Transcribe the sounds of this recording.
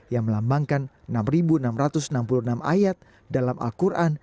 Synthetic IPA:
jaŋməlambaŋkan | namribunamrat̪ʊsənampulunamʔa̰jat̪̚ | dalamʔa̰lkuɾʔan

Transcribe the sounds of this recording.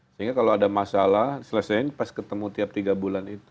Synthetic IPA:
səɦiŋɡakaloadamasalahsələsajnpaskət̪əmut̪iap̚t̪iɡabulanit̪u̥

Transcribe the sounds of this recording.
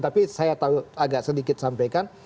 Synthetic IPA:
t̪apisajat̪auaɡaʔsədikɪt̪̚sampajkan

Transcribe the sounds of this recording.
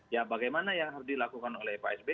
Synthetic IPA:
jabaɡajmanajaŋɦaɾusdilakukanolɛhpaɛsbe

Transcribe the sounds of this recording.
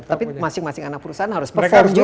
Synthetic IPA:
t̪apimasɪŋmasɪŋanak̚puɾusaɦanhaɾʊspəfɔrd͡ʒu

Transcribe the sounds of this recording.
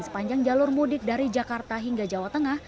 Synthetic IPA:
nsə̥paɲd͡ʒaŋd͡ʒalʊrmudɪk̚daɾid͡ʒakart̪aɦiŋɡad͡ʒawat̪əŋah

